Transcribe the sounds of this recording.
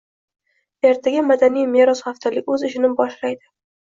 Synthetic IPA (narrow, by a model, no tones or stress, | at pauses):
e̞ɾt̪ʰaɡʲamad̪anijmeɾɒsχaft̪ʰalɪkʲɵzɪʃɪnɪbɒʃlajd̪ɪ